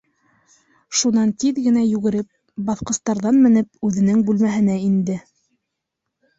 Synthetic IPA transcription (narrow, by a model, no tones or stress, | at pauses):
ʃunɑnt̪iðɡɘ̆næjʉɡɘ̆ɾɘp̚ | bɑθqɤ̆st̪ɑɾðɑnmɘ̆nɘpʉðɘ̆nɘŋbʉlmæɦɘ̆næind̪ɘ